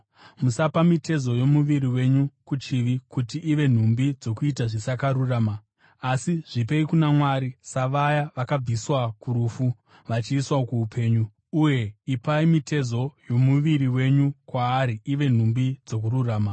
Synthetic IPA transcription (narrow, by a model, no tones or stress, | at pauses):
musapamite̞zo̞jo̞muʋiɾiwe̞ɲukut͡ʃiʋikutiʔːʋe̞n̤umbid͡zo̞kuitaʐisakaɾuraːmaː | siʐ̥ip̬e̞ikunamwaɾisaʋajaʋakab͡viswakuɾufu | ʋat͡ʃiːswaokuːupʰe̞ːɲu | uje̞ipaimitʰe̞zo̞jo̞muʋiɾiwe̞ɲukwaːɾiiʋe̞n̤umbid͡zo̞k̬ururaːma